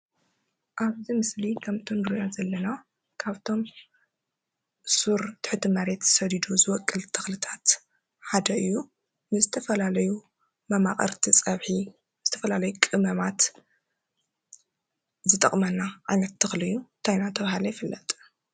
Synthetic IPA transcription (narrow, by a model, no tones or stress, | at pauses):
ʔaβzimɨslikʰɐmt̪ʰonɾɨjazɐlːɐna | kʰaβt̪ʰo̞m | suɾt̪ʰɨ̥ħɨt̪ʰɨmɐɾe̞t̪z̥ɨ̥sɐd̪id̪uzɨwɔkʼːɨlt̪ʰɨxlɨt̪ʰat̪ | ħad̪ɐɨjːu | mɨzɨt̪ʰɐfɐlalɐju | mɐma̰χʼɐ̰ɾt̪ʰit͡sʼɐβħi | z̥ɨt̪ʰɐfɐlalɐjukʼɨmɐmat̪ | zɨt̪ʼɐχʼmɐnːaʕanɐt̪ʰːɨxlɨjːut̪ʰajnat̪ʰɐβahalɐjɪfɨlːɐt̪ʼ